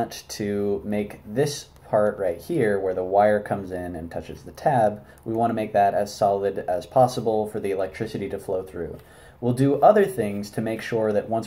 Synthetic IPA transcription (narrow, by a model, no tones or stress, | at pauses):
ntʰɨmeɪk̚ðɪspʰɑɹʔɹaɪt̚hiɹwə˞ðəwaɪə˞kʰʌ̃mzɪ̃nɨ̃ntʰʌt͡ʃɨzðɨtʰæb | wiwɑ̃ñtəmeɪk̚ðɨɾɨz̥sɑlˠəɾɨz̥pʰɑsəbl̩ˠfə˞ðiɨlɛk̚tʰɹ̥ɪsɨɾiɾɨfloʊθɹʉ̰ | wilˠdɨʔʌðə˞θɪ̃ŋz̥tʰɨmeɪkʃʊɹðɨʔ̚wʌ̃ns